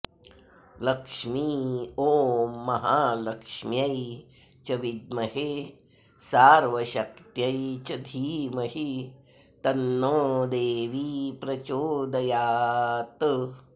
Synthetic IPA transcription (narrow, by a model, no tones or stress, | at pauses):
lɐkʂmiːoːmɐɦaːlɐkʂmjɐj | t͡ʃɐʋid̪̚mɐhe | saːɾʋɐʃɐk̚t̪jɐjt͡ʃɐd̪ʱiːmɐɦi | t̪ɐnːoːd̪eːʋipɾɐt͡ʃoːd̪ɐjaːt̪